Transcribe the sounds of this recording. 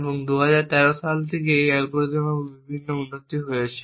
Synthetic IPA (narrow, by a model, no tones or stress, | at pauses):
boŋd̪uɦad͡ʑaɾt̪ɛɾoʃalt̪ʰek̬eejɛlpoɾd͡ʑomabibʱinːounːot̪iɦoeaʃʰe̥